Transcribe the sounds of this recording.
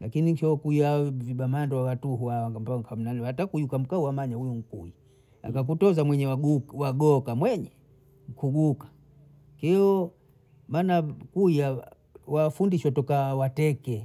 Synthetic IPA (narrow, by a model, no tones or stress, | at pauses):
lakiniŋkɔkujavibamandɔwawatuɦuawaŋɡampaŋkʰam̩nalɛatakujukam̩kauwamaɲahujuŋ̩kṵi | a̰kakutɔzamwɛɲɛwaɡuwaɡɔkamwɛɲɛ | ŋ̩kʰuɡukḁ | kɛɔ | maːnakuja | wafundiʃɔtɔkawatɛkɛ